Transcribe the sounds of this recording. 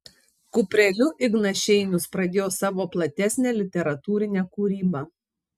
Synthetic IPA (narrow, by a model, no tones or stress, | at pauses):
kʊpʲɾʲɛlʲʊʔɪɡnɐʃʲɛɪnʲʊspɾɐd̪ʲeːjoːsɑːʋoːplˠɐt̪ʲæsʲnʲæːlʲɪt̪ʲɛɾɐt̪uːɾʲɪnʲɛkuːɾʲiːbɑ